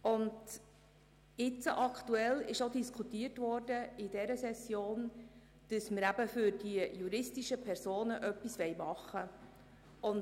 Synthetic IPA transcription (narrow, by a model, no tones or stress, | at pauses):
ʊnd | ɪt͡səʔɑktuɛlɪʃodiskʰutiərtvʋɔːrdəidɛɾəsɛsjoːn | d̥əsməɾæb̥əfʏɾd̥iəjuɾɪstiʃəpʰɛɾsoːnəʔœpːisʋɛjmɑχːə | ʊn